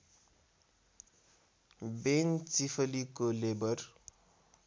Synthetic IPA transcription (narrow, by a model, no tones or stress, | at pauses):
bent͡sifəlikolebər